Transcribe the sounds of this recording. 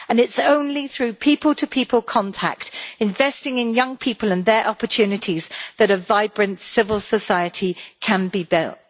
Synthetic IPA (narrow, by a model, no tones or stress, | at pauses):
ə̃nɪtsõʊ̃nliθɹʉːpʰiˑpəlˠtʰəpʰiˑpʰəlˠkʰɒ̃ntʰa̰k̚tɪ̃ɱvɛstɪ̃ŋɪ̃njʌ̃ŋpʰiˑpəlˠə̃nðəɹʔɒpətʰʉːnɪtʰizðəɾəvaɪbɹɨ̃ntsɪvəlˠsəsaɪətʰikʰə̃nbibɪ̰lˠt̚